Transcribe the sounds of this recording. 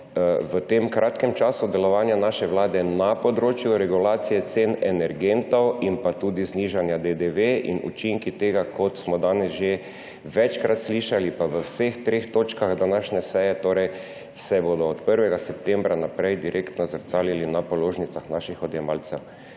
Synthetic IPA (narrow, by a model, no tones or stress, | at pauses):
ʋət̪emkɾʔaːt̪kɛmt͡ʃaːsud̪ɛlɔʋaːnjanaʃɛʋlaːd̪ɛnapɔd̪ɾoːt͡ʃjuɾɛɡulaːt̪sijɛt̪senɛnɛɾɡent̪ɔwinpat̪uːd̪izniʒanjad̪ed̪eʋeḭnṵt͡ʃiŋkit̪eːɡakʰɔt̪smɔd̪aːnɛsʒe | ʋɛt͡ʃkɾat̪sliʃalipaʋəwsext̪ɾeːxt̪oːt͡ʃkaɣd̪anaːʃɲɛsɛjɛt̪oːɾɛj | sɛboːd̪ɔːt̪pəɾʋɛɡasɛp̚t̪ẽmbɾanapɾɛjd̪iɾʔekt̪nɔzəɾsaːlilinapɔloːʒnitsaxnaːʃixɔd̪jɛmaːlsɛw